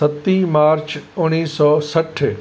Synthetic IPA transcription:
ət̪ːimaːɾt͡ʃʊɽ̃iːsɔsəʈʰː

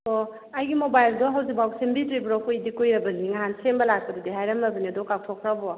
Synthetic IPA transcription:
o | ajɡimobajldɔɦawzik̚bawsembitɾibɾɔkujidikojɾɐbɐniŋaɦansembɐlak̚pɐdidiɦajɾɐmɐbɐniadɔkaw̚tʰɔkʰɾabɔ

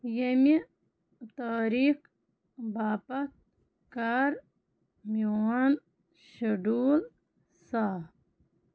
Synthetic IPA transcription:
jemi | t̪aːɾiːk | baːpɐt̪̚ | kaːɾ | mian | ʃɐɖuːl | saː

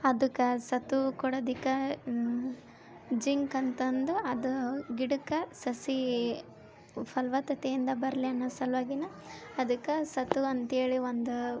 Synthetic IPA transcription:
ɐd̪ukːɐsɐt̪ukuɽɐd̪ikːɐ | d͡ʒiŋkɐnt̪ɐnd̪uɐd̪uɡiɽukɐsɐsi | pʰɐlʋɐt̪ɐt̪eind̪ɐbɐɾɐliɐnːɐsɐlʋaːɡinɐ | ɐd̪ukːɐsɐt̪uɐnt̪eːɭiʋond̪u

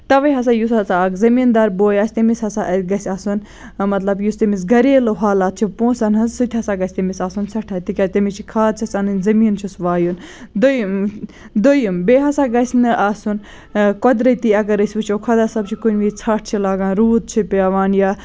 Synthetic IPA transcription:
t̪ɐʋɐɦɐsaːjusɐsaɡzɐmiːnd̪aːɾboːjaːsʲt̪ɐmishɐsaʔɡɐsʲaːsun | mɐt̪lɐbjust̪ɐmis̬ɡɐɾeːloɦaːlaːt̪̚t͡ʃʰipõːnsɐnɦɐzsut̪ʰʲɦɐsaːɡɐsʲt̪ɐmisaːsunsɐʈʰaːt̪ikʲaːsʲt̪ɐmit͡ʃʰikʰaːd̪̚t͡ʃʰɐsanɨnzɐmiːnt͡ʃʰusʋaːjund̪ojm | d̪ojumbeːɦɐsaːɡɐsʲnɨʔaːsun | kɔd̪ɾɐt̪iɐɡɐɾɐsʲʋut͡ʃʰokʰɐd̪aːsɐbt͡ʃʰikunʲʋit͡sʰaʈ̚ʰt͡ʃʰilaːɡaːnɾuːd̪̚t͡ʃʰipʲaːʋaːnja

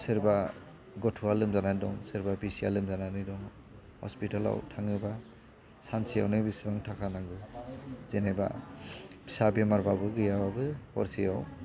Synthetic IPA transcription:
seɾba | ɡɔtʰualɯmzananidɔ̰ŋseɾbabisia̰lɯmzananɯdɔŋ | hɔ̰spitala̰wtʰaŋɯba | sansija̰wnɯbisibaŋtʰakʰanaɡɯzenajba̰ | b̥isabemaɾbabɯɡɯjawabɯhɔ̰ɾsijaw

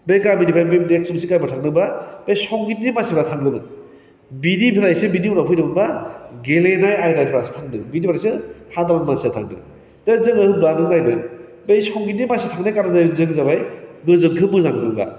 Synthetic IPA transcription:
bejkamidipʰɾajbemdek̚simsikajbatʰaŋnɯbab̥ejsɔŋɡitdimasipʰɾatʰaŋɡɯnɯ | bidipʰiɾajsɯbidiunapʰɯjdɯbɯnbaɡelenajajdajpʰɾasɯ̥tʰaŋdɯbidipʰiɾajsɯhatamanmasetʰaŋdɯ̰ | d̥ezɯŋɯhɯblanɯŋajdɯ | bejsɔŋɡit̚nimasitʰaŋnajkaɾɯdajzɯŋzabajɡɯzɯŋkʰɯmɯzanɯɡɯŋba̰

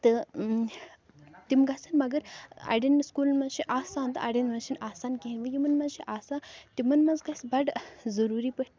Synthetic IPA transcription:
t̪ɨ | t̪imɡɐsɐnmɐɡəɾa̰ɖinskuːlnmɐzʃiʔaːsaːnt̪ɨa̰ɽinmɐzʃʰinaːsaːnkiɦinʲʋɐjimɐnmɐzʃiʔaːsat̪imɐnmɐnzɡɐsbɐʈzɐɾuɾipəʈ̪

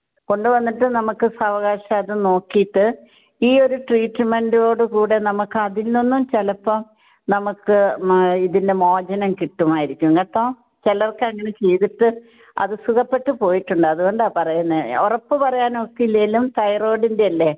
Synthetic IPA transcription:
ko̞ɳɖɨʋɐnːiʈːɨnɐmukːɨsɐʋɐɣaːɕɐːðɨno̞ːkːijʈːɨ | iːo̞ɾuʈriːʈːme̞ɳɖɨo̞ːɽɨkuːɽe̞nɐmukːɨɐðilnonːumt͡ɕelɐpːɐm | nɐmukːɨiðinde̞mo̞ːd͡ʑɐnɐmkiʈːumaːjiɾikʲːuŋɡɐt̪ːoː | t͡ɕelɐrkːeɐŋːɐne̞t͡ɕe̞jðiʈːɨ | ɐ̰ðɨsuɣɐpːe̞ʈːɨpo̞ːjiʈːuɳɖɨɐðuɣo̞ɳɖaːpɐrɐjunːɨorɐpːɨpɐrɐjaːnokːiilːejlumt̪ɐjro̞ːɽindeɐlːe̞

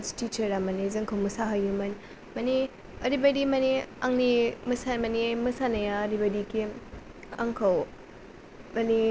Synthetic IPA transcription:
stit͡ʃɐɾamɐnizɐŋkʰawmɐsaɦajumɐni | mɐni | ɐɾibɐdimɐniaŋnimɐsamɐnimɐsanɐjaːɾibɐdiki | aŋkʰaw | mɐni

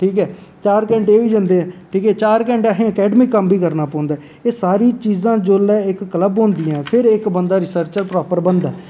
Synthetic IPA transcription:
ʈʰiːkɛː | t͡ʃaːɾkɛ̃ːɳʈeːʋiːd͡ʒə̃nd̪eːɛ̃ːʈʰiːkɛːt͡ʃaːɾkɛ̃ːɳʈaɦẽːəkɛːɖəmiːkəmbiːkəɾnaːpɔ̃ːnd̪aː | eːsaːɾiːt͡ʃiːzãːd͡ʒoːlɛːɪkːələbɦõːnd̪ɪjãːpʰɪɾɪkbənd̪aːɾɪsəɾt͡ʃəɾpɾɔːpəɾbənd̪aɛː

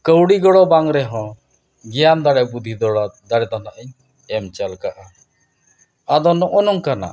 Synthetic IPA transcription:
kəwɽiɡɔɽɔbaŋɾɛɦɔ̃ | ɡɛjand̪aɽɛbud̪ʱid̪ɔd̪aɽɛd̪ɔnaʔəɲ | ɛmt͡ʃalkaʔa | ad̪ɔnɔʔɔnɔŋkana̰

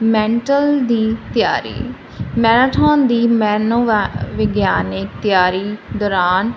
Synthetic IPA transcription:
mɛ̃ːɳʈəld̪iːt̪jaːɾḭː | mɛːɾaːʈʰaːnd̪iːmɛːnoːʋɪɡjaːnɪk̚t̪ɪjaːɾiːd̪ɔːɾaːn

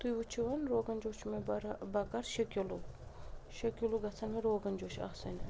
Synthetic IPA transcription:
t̪ujʋut͡ʃʰiʋɐnɾoːɡɐnd͡ʒoːt͡ʃʰmeɐɾbɐkɐɾʃɐkʲolu | ʃɐkʲoluɡɐt͡sʰɐnmeɾoːɡɐnd͡ʒoːt͡ʃʰɐ̰sɐ̰nʲɐ

